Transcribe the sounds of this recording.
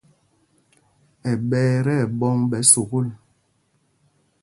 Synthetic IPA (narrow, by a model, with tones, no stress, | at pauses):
ɛ˨ɓɛː˦ɾɛ˦˨bɔ˦ŋbɛ˨˦so˨ɣo˦l